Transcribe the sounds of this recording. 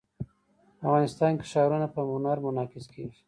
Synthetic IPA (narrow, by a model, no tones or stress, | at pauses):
afɣɑnɪst̪ɑnnkɪ̥ʃɑɾunapəmʊnaɾmʊnɑkɪske̥